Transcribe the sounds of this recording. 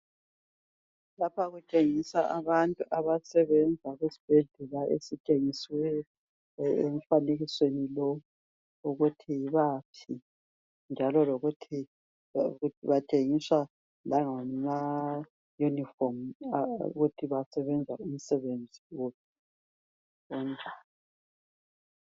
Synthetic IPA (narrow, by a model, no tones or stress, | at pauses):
lapʰaɣut͡ʃʼeŋisaʔaβantʼuʔaβasɛβɛnd͡zʱaɣwesi̥b̥ʱeɮɛlaʔḛsit͡ʃʼeŋiswɛ | ḛm̩faneɣiswenilɔwu | uɣutʰiβaːpʰi | nd͡ʒʱalɔloɣutʰi | uiβatʼeŋiswa | laŋama | junifɔmṵɣutʰiβasɛβɛnd͡zʱaum̩sɛβend͡zʱiwopʰi̥ | ɔndʱaːla